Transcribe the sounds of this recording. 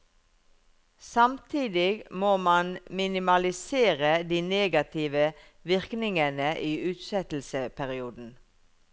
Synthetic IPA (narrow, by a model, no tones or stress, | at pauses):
sɑmt̪ʰiːd̪ɪɡmoːmɑnmɪnɪmɑlɪseːʁəd̪iːneːɡɑt̪ʰɪʋə | ʋɪʁknɪŋənəʔiːʉːt̪sɛt̪l̩səpʰæʁɪuːd̪n̩